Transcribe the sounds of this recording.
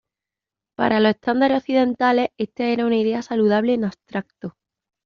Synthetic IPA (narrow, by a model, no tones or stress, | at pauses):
pa̰ɾʔalo̞se̞ht̪and̪aɾeoθiðẽ̞nt̪ale̞e̞st̪eeɾaunaiðe̞asaluð̞aβle̞nast̪ɾak̚t̪o